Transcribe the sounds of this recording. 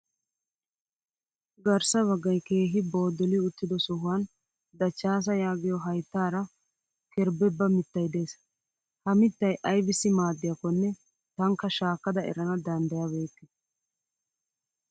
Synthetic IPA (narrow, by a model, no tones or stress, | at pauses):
ɡɐɾsɐβɐɡːɐjke̞ːɦɪbo̞ːd̪ɔlɪʊt̪ːɪd̪ɔsʊɦʊwɐn | d̪ɐt͡ʃːaːs̬ɐjaːɡɪjɔɦɐjt̪ːaːɾɐ | kɛɾbɛbːɐmɪt̪ːɐjd̪e̞ːs | hɐmɪt̪ːɐjʔɐjbɪsːɪmaːd̪ːɪjɐkːɔnːɛ | t̪ɐŋkːɐʃaːkːɐd̪ɐɛ̰ɾɐnɐd̪ɐnd̪ɐjɐbe̞ːt̪ːɛ̥